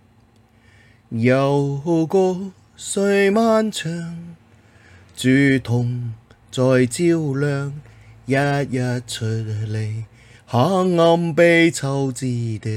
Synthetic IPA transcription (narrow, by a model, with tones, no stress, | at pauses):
jɐ˨wɦo˧kɔː˧ | sɵ˧˥ɥmaː˥nt͡sʰœː˧ŋ | t͡syː˨˩t̪ʰʊ˨˩ŋ | t͡sɔː˨jt͡siː˥wlœː˨˧ŋjɐ˧t̚jɐ˧t̚t͡ʃʰɵ˧t̚le˨˧j | haː˨˥ŋɐ˧mpe˧jt͡sʰɐ˧wt͡siː˧˩t̪ɪ˧˥